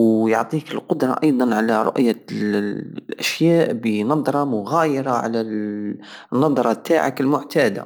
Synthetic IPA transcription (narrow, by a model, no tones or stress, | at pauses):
jʊʕt̪ˤiːkɪlqʊd̪ɾˤɑ̰ʔɑjd̪ˤɑnʕalaɾˤʊ̰ʔja | ʔaʃjaːʔbinɑd̪ˤɾˤɑmʊɣaːjəɾaʕa̰la | nːɑd̪ˤɾˤɑt̪ʰːaːʕakɪlmʊʕt̪aːd̪a̰